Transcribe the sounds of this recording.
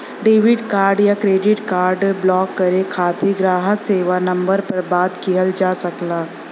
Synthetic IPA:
ɖeːʋɪɖkaːɾɖjakɾeːɖɪʈkaːɾɖblɔːkːəɾekʰaːt̪ʰeɡɾaːɦəkseːʋanɐ̃mbəɾpɐɾbaːt̪kiɦəld͡ʒaːsəklaː

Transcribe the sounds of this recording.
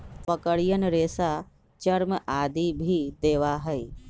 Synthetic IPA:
pəkəɽijənɾeːsa | t͡ʃəɾmʔaːd̪ibʱid̪eːʋaɦəi

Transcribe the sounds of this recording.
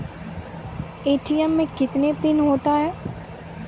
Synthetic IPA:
eːʈijɛmːẽkɪt̪nepɪnɦoːt̪aɦɛː

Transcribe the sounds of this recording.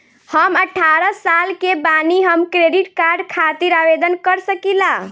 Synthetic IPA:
həməʈʰaɾəsalkebaniɦəmkɾeɖiʈkaɾɖkʰat̪iɾabed̪ənkəɾsəkila

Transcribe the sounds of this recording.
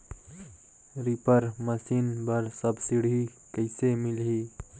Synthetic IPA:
ɾipəɾməsiːnbɐɾsɐbsiɽɦiː | kəɪsemɪlɦiː

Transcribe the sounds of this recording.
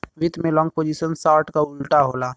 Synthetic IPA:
ʋɪt̪mẽlɔ̃ːŋɡ̚poːd͡ʒisənsaːɾʈkaʊlʈaɦoːlaː

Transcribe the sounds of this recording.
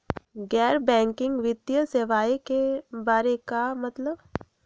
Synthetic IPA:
ɡɛːɾbɛ̃ːŋkɪ̃ŋɡʋɪd̪jəseʋaːekebaːɾekamɐt̪ləb

